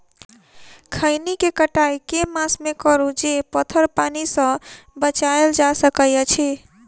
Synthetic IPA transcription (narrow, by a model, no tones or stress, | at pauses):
kʰəɪnikekəʈajkemasmekəɾud͡ʒepət̪ʰəɾpanisə̃bət͡ʃaeld͡ʒasəkəjət͡ʃʰe